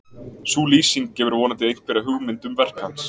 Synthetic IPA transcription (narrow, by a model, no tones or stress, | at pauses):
suːliːsiŋkːɛvʏɾvɔːnat̪ɪejn̥pɪɾaɦʏɣmɪnt̪ʏmvɛr̥khans